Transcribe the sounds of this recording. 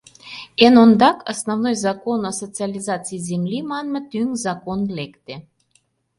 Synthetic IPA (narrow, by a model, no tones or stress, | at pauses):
enond̪ɑkɑsnovnojzɑkonosot͡sialʲizɑt͡siizemlʲimɑnmɤt̪yŋzɑkonlekt̪e